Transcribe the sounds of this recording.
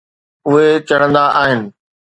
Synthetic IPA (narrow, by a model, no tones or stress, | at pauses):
ʊɦekɐɽə̃nd̪aʔaːɦɪnɪ̆